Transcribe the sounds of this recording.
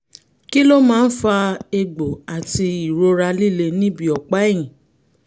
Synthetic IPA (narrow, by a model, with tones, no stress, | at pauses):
ki˦lo˦mãː˦˧˦n̩˦fa˧e˧ɡ͡bo˨a˨ti˧i˨ɾo˧ɾa˧li˦˨le˧nĩ˦bi˧ɔ˨k͡pa˨˦ɛ˦˨j̃ĩ˨